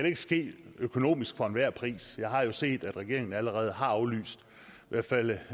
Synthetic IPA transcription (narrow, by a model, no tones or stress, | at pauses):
æɾ̥ee̝ɡ̥ə̥sɡ̥e̝̰̥ːøkʰo̝no̝̰ːmisɡ̥fɒ̽e̝nʋæɐ̰pʰʁḭːsjɑ̈ɪɦɑ̈jo̝se̝̰ːd̥æd̥ʁɛɡ̥e̝ɐeŋn̩æləʁɛːð̞̩ˠɦɑ̈ɑ̈ʊly̰ːsd̥ | ʋæɐ̰d̥fæl̰